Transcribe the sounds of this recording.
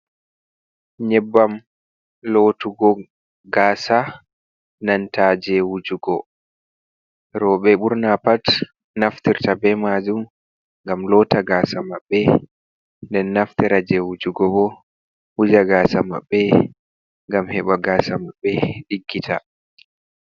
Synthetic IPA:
ɲɛbːam | lotuɡɔ | ɡaːsa | nantad͡ʒɛwud͡ʒuɡɔ | ɾɔːɓɛɓuɾnapat | naftiɾtabɛmaːd͡ʒum | ŋɡamlɔːtaɡaːsamaɓːɛ | ndɛnːaftiɾad͡ʒɛwud͡ʒuɡɔbɔ | hud͡ʒaɡaːsama̰ɓːɛ | ŋɡamhɛɓaɡaːsamaɓːɛɗiɡːitʰa

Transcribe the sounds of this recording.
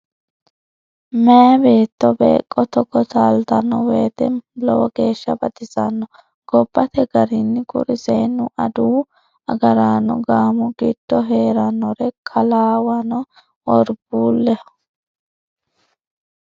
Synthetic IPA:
meːbe̞ːt̪ːɔbḛːkʼːɔt̪ɔkːɔt̪aːlt̪ɐnːɔweːt̪ɛlɔwɔɡ̥e̞ːʃːɐbɐd̪ɪzɐnːɔ | ɡ̥ɔbːɐt̪ɛɡɐɾɪnːɪkʊ̰ɾɪseːnːʊʔɐd̪uː | ɐɡɐɾaːnɔ̰ɡaːmʊɡɪd̪̥ːɔɦe̞ːɾɐnɔɾɛkʰɐlaːwɐnɔ | wɔɾbuːlːɛ

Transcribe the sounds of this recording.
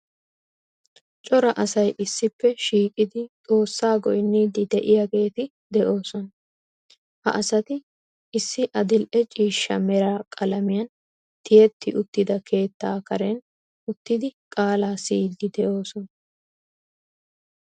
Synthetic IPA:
t͡ʃʼɔɾɐʔɐsɐjʔɪsːɪpːɛʃiːkʼɪd̪ɪt͡sʼo̞ːsːaːɡɔjnːiːd̪ɪd̪ɛʔɪjaɡe̞ːt̪ɪ | d̪ɛʔo̞ːsɔnɐ | hɐ̰ʔɐsɐt̪ɪ | ʔɪsːɪʔɐd̪ɪlʔɛt͡ʃʼiːʃːɐmɛɾaːkʼɐlɐmɪjɐn | t̪ɪjɛt̪ːɪʔʊt̪ːɪd̪ɐkʰe̞ːt̪ːaːkɐɾɛn | ʊt̪ːɪd̪ɪkʼaːlaːsiːd̪ːɪd̪ɛʔo̞ːsɔnɐ

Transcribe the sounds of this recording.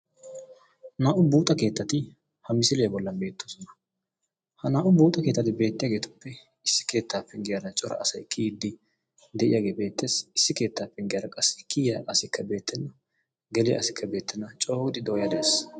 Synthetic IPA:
naːʔʊbuːt̪ʼɐke̞ːt̪ːɐt̪ɪ | hɐmɪsɪlɛjɐbɔlːɐnbe̞ːt̪ʰːoːsɔnɐ | hɐnaːʔʊbuːt̪ʼɐke̞ːt̪ːɐt̪ɪbe̞ːt̪ːɪjaːɡeːt̪ʊ̥pːɛ | ɪsːɪ̥ke̞ːt̪ːaːpːɛŋɡɪjadɐt͡ʃʼɔɾɐ̰ʔɐsɐjkʰid̪ːɪ | d̪ɛʔɪjaɡe̞ːbe̞ːt̪ːe̞ːsɪsːɪke̞ːt̪ːaːpːɛŋɡɪjaːɾɐkʼɐsːɪkiːɐʔɐsɪkʰːɐbe̞ːt̪ːɛnːɐ | ɡɛlɪjɐ̰ɐsɪkʰːɐbe̞ːt̪ʰːɛnːɐt͡ʃʼo̞ːɡɪd̪ɪd̪ɔjɐd̪ɐeːs

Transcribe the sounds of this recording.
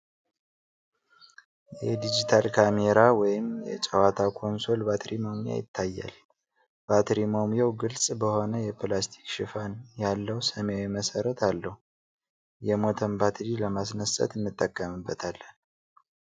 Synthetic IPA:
jɛd̪id͡ʒit̪ʰalkʰameɾawɔjɪmjɛt͡ʃʼəwat̪ʰakʰo̞nso̞lbat̪ʰɾimo̞mija̰jɪ̰t̪ʰːajːa̰l | b̥at̪ɾimomjawɡɨlsʼbəho̞nəjɛplast̪ʰi̥kʃɪfanjalːəwsəmejawiməsəɾət̪ʰalːəhu | jɛmo̞t̪ʰəmbat̪ʰɾiləmasnəsʼə̰t̪ɨnːɨt̪ʼːəkʼːəmɨbːət̪ʰalːən

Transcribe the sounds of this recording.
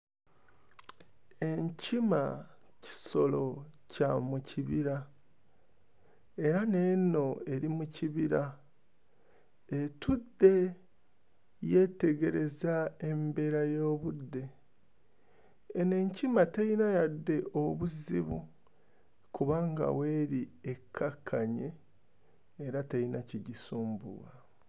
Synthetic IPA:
e̞ɲcima | ci̥so̞lo̞camuciβiɾa | e̞ɾane̞ːno̞e̞ɾimuciβiɾa | etudːe̞ | je̞te̞ɡe̞ɾe̞zae̞mbe̞ɾajo̞ːβudːe̞ | ne̞ɲcimateinajadːe̞ʔoβuziβṵ | kuβaŋɡa̰we̞ːɾiekʰːakʰːaɲe | ɾatainaciɟisuːmbṵɣa

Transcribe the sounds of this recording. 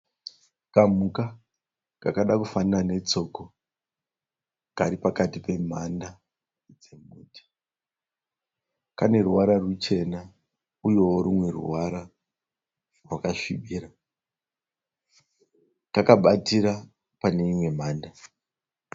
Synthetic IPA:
kamuka | kakaɗakufanirane̞t͡so̞ko | kaɾipakatipe̞manda | d͡ze̞muːtʰḁ | kane̞ruwaɾarut͡ʃe̞na | ujo̞woɾimwe̞rṵwaɾa | rwakaʃiɓiːɾa | kakaɓatiɾa | pane̞imwe̞maːnda

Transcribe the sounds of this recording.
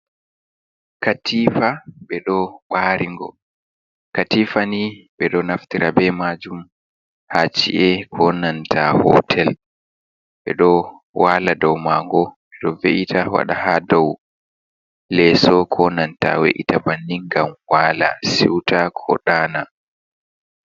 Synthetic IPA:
katiːfaɓɛɗɔɓaɾiŋɡɔ̰ | katiːfaniɓɛɗɔnaftiɾabɛmad͡ʒum | hat͡ʃḭʔɛkʰɔnantʰahɔ̰tʰɛl | ɓɛ̰ɗɔ | waladɔwmaːŋɡɔɓɛɗɔveʔitʰawa̰ɗa̰hadɔw | lɛsɔkʰɔnanta̰wḛʔḭtabanːiŋɡamwala̰sḭwtakʰɔ̰ɗaːna

